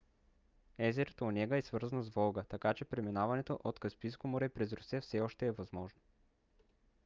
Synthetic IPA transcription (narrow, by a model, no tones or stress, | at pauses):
ɛzɛɾət̪onɛɡəɛsvɤɾzənozvɔlˠɡət̪ɐkat͡ʃɛpɾɛminavɐnɛt̪oʔot̪kɐspijskomoɾɛpɾɛzɾʊsɛfsɛɔʃt̪ɛːvɐzmɔʒno